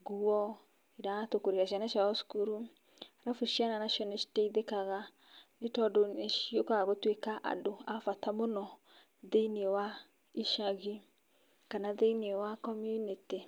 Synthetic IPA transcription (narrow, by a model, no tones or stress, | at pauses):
ɡuɔ | iɾatokoɾeɾaʃianaʃaɔskuɾu | aɾafuʃiananaʃiɔnasiteiðekaɣa | netɔdoeʃiokaɣotwekaʔa̰doafatamonɔ | ðeinewa | iʃaɣi | kanaðeinewakɔmjuniti